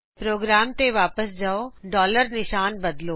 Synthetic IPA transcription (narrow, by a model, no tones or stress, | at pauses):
pɾoːɡɾaːmt̪eʋaːpəsd͡ʒaːoɖɔːləɾnɪʃaːnbɐd̪loː